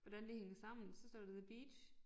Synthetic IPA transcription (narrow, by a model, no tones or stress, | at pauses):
ʋɒd̥ænd̥eheŋɐsɑ̈m̰n̩sɒ̽sd̥ɒ̰ːd̥eðb̥iːd̥ɕ